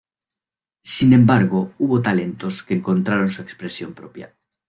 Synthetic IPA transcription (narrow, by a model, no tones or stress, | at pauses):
sinẽ̞mbaɾɣouβot̪ale̞nt̪oskeːŋkont̪ɾaɾonsuekspɾesjompɾopja̰